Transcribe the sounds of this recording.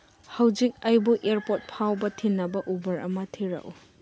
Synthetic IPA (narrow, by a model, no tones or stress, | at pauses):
hɐwd͡ʒik̚ɐjbuʔeɾpot̚pʰawbɐtʰinːɐbɐʔubɐɾɐmɐtʰiɾɐ̰ʔu